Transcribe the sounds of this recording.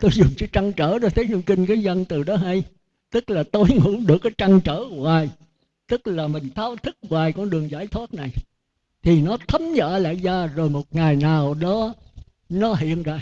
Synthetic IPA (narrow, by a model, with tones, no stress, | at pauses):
t̪o˧jzʊ˨˩ŋ͡mt͡ɕɨ˨˦t͡ɕa˧ŋt͡ɕəː˧˩ɗɔ˧˦t̪ʰe˨˦ɲu˧kï˧ŋ̟kaː˨˦jzə˧nt̪ɨ˨˩ɗɔ˨˦ɦa˧j | t̪ɨ˦˥k̚laː˨˩t̪o˧jŋʊ̰˧˥ɗɨ˨˩əkːa˨˦jt͡ɕa˧ŋt͡ɕəː˧˩˦ŋwaː˨˩j | t̪ɨ˦˥k̚laː˨˩mï˨˩ŋ̟t̪ʰaː˨˧wt̪ʰɨ˦˥k̚ŋwaː˨˩jkɔ˧nɗɨ˨˩əŋzaː˧˩jt̪ʰwaː˦˥t̚na˨˩j | t̪ʰi˨˩nɔ˨˦t̪ʰə˨˦mɲə̰ː˧la̰ː˧˨jzaː˧zo˨˩jmo˨˩t̚ŋa˨˩jnaː˨˩wɗɔ˨˦ | nɔ˨˦ɦḭ˧˨ənza̰ː˧˩